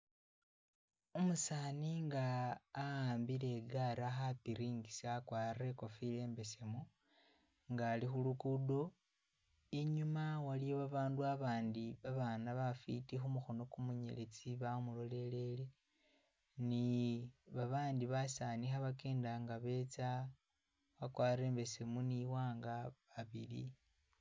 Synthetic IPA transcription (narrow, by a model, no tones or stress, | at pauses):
umusaːniŋɡaː | aːmbile̞ɡaɾaxapiɾiːŋɡisakwaːreko̞file̞ːmbe̞se̞mo | ŋɡaːlixulukudo̞ | iɲumawalijoβaβaːnduaβaːndiβaβanaβafḭtixumuxo̞no̞kumuɲḛlet͡siβamulo̞le̞le̞le̞ | niβaβaːndiβasanixaβakeːndaŋɡaβe̞t͡sa | βakwaːre̞ːmbe̞se̞muniwaːŋɡaβaβilḭ